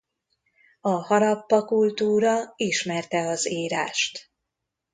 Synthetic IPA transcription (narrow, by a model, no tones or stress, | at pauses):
ɒhɒɾɒpːɒkult̪uːɾɒiʃmɛrt̪ɛɒziːɾaːʃt̪